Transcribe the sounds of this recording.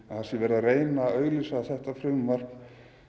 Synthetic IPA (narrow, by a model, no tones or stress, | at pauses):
aθḁsɛvɛːɾðareːjnaœɣlisaaθɛht̪afɾʏmvar̥kn